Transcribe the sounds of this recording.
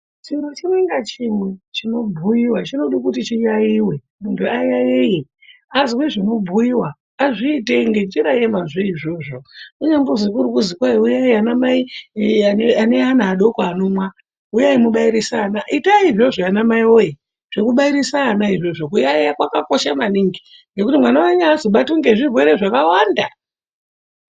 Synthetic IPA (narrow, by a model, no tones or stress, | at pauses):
t͡ʃiiɾot͡ʃimweŋɡat͡ʃimwet͡ʃino̞bʱujiwat͡ʃino̞ɗikutit͡ʃijaiwe̞ | muntʰuajajeje | aziweʐino̞bʱujiwaː | ʐiːteŋɡet͡ʃiɾajemaʐeiʐo̞ʐo̞kuɲambozikuɾukuzikwaiujaianamai | eane̞anaːɗo̞kaːno̞mwa | ujaimuɓaiɾisanaʔitaiʐoʐoanamaiwoje | ʐ̥ekuɓaiɾisaːnaiʐo̞ʐokujaejakwakako̞ʃamaniŋɡi | ŋɡe̞kutimwanawaɲaːzoɓatuŋɡeʐivweɾeʐakawanda